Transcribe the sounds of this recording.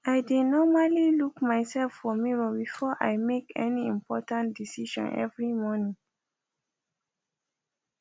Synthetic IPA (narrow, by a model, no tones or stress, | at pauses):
ajdenɔmalilukmaɪsɛlfːɔmiɹɔbifɔʔa̰jmekɛ̰niĩmpʰɔtãntdisiʃɔ̰̃nʔɛ̰vɹimɔnĩŋ